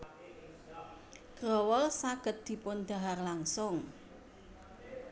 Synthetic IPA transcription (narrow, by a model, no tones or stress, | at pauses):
ɡ̥ɾɔwɔlsaɡ̥ə̤t̪̚d̪̥i̤pʊnd̪̥a̤ɦarlaŋsʊŋ